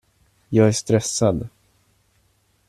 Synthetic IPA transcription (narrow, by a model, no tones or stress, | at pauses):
jɑːɡæʂt̪ɾɛsːad̪